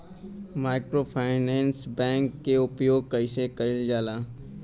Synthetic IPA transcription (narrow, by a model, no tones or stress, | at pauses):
maːɪkɾoːpʰaːɪnɛ̃ːnsbɛ̃ːŋkːeʊpjoːɡ̚kəɪsekəɪld͡ʒaːlaː